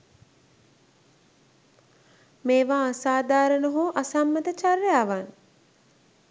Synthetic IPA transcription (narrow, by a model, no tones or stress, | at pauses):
meːʋaːasaːd̪aːɾənəɦuːʔasamːət̪ət͡ʃarjaːʋan